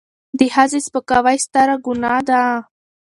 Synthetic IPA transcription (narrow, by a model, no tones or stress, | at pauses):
d̪ihazispəkawajst̪aɾaɡʊnɑd̪a